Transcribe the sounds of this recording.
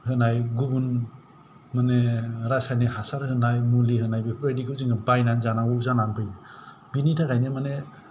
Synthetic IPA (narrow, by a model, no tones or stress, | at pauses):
hɯnajɡubun | maneɾasajneɦasaɾhɯnajmuliɦɯnajbipʰɾajdikʰɯzɯŋɯbajnanzanauzananpʰɯj | binitʰakajnemane